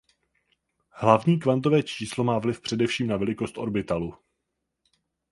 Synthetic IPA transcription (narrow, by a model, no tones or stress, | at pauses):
hlavɲiːkvant̪o̞vɛːt͡ʃiːslo̞maːvlɪfpr̝̥ɛdɛfʃiːmnavɛlɪko̞st̪ʔo̞̰ɾbɪt̪alu